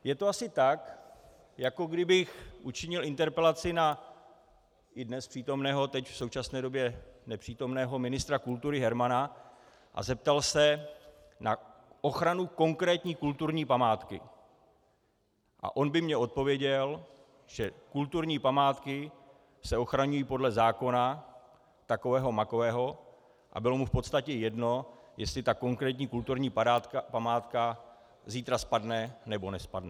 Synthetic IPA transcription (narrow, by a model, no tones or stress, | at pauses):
jɛt̪oasɪt̪ak | jako̞ɡdɪbɪxʔut͡ʃɪɲɪlɪnt̪ɛɾpɛlat͡sɪna | ʔɪdnɛspr̝̥iːt̪o̞mnɛːɦo̞t̪ɛcfso̞wt͡ʃasnɛːdo̞bjɛnɛpr̥iːt̪o̞mnɛːɦo̞mɪnɪst̪ɾakult̪uɾɪɦɛɾmana | ʔa̰zɛp̚t̪alsɛ | naʔo̞xɾanuko̞ŋkɾɛːt̪ɲiːkult̪uɾɲiːpamaːt̪kɪ̰ | ʔa̰ʔo̞nbɪmɲɛʔo̞t̪̚po̞vjɛɟɛl | ʒ̥ɛkult̪uɾɲiːpamaːt̪kɪ | sɛo̞xɾaɲujiːpo̞dlɛzaːko̞na | t̪ako̞vɛːɦomako̞vɛːɦo̞ | ʔa̰bɪlo̞mufpo̞t̪st̪acɛjɛdno̞ | jɛst̪lɪt̪ako̞ŋkɾɛːt̪̬ɲiːkult̪uɾɲiːat̪apamaːt̪ka | ziːt̪ɾaspadnɛnɛbo̞nɛspadnɛ